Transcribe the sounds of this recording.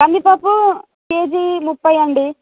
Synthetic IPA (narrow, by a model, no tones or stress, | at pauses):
kɐmːipɐpu | keːd͡ʒimupːɐjɐɳɖi